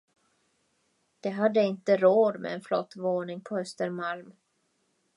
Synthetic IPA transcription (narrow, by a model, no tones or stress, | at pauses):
d̪̥ɛɦad̪ːəɪnt̪əɾoːd̪mɛ̰ɛnflɔ̰t̪ːvoːnɪŋpʰɔhœst̪əɾmalm